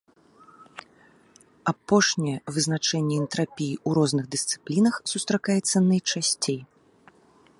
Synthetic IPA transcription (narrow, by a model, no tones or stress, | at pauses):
apɔʂnʲɛɛvɨzn̪at͡ʂɛnʲːɛɛnt̪ɾapʲijiuɾɔznɨɣd̪ɨst̪sɨ̥plʲinɐxsust̪ɾakajɛt̪sːɐnɐjt͡ʂasʲt͡sʲej